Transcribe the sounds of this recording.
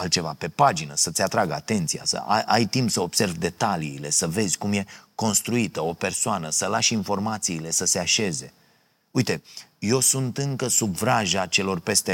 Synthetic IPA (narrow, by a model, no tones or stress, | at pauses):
alt̪̚t͡ʃe̞vape̞pad͡ʒinəsət̪sʲat̪ɾaɡəa̰t̪e̞nt̪sija̰sə̰aʔajt̪impsəo̞bse̞rvd̪e̞t̪aliːle̞səve̞zʲkumje̞ko̞nst̪ɾuit̪əo̞pe̞rsoanəsəlaʃinfo̞rmat̪siːle̞səse̞aʃe̞ze̞ | ujt̪e̞jo̞sunt̪ɨŋkəsubvɾaʒat͡ʃe̞lo̞rpe̞st̪e